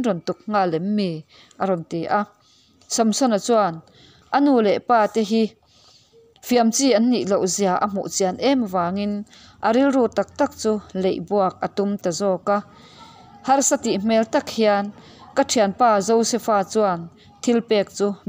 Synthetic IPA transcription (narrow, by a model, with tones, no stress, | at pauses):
nrɔ˨nt̪u˨k̚ŋaː˧˨lɛ˨˦mːeː˨ | ʔa˨ɾɔ˨nt̪e˨˩ʔa˧ | sɔ˨msɔ˦na˨t͡su˧a˨n | ʔa˨nuː˨lɛ˨paː˧t̪ɛ˧ɦi˧ | fi˧a˨mt͡siː˧a˨nːi˨ʔlo˨wzi˧˨a˨ʔa̰˨m̥ṵ˨ʔt͡si˧˨a˨nʔɛ˦m˨vaː˨˦ŋi˧n | ʔa˨ɾi˦lruː˧˨t̪a˨k̚t̪a˦k̚t͡su˧le˨jʔbu˧ɐk̚ʔa˨t̪u˧˦mt̪a˨zɔː˧ka˧ | hɐ˧rsa˧t̪i˨m̥ɛ˦lt̪a˦k̚hi˧a˧n | ka˧tʰi˨a˨npaː˧˩zo˧wsɛ˧faː˧t͡su˧a˧˩n | t̪ʰi˧˦lpɛː˧k̚t͡suː˧